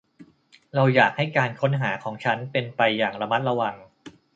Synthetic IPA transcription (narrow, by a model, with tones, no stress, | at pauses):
ɾa˧wjaː˨˩k̚ha˥˩jkaː˧nkʰo˦˥nɦaː˩˦kʰɔː˩˦ŋt͡ɕʰa˦˥npe˧npa˧jːaː˨˩ŋɾa˧ma˦˥t̪̚ɾa˧wa˧ŋ